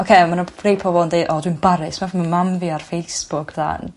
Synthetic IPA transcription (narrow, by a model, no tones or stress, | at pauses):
okʰemanḁrejpʰɔvɔndejdɔːdwɨnbaɾɪsmafimamamviarfejsb̥ʊkʰða̰n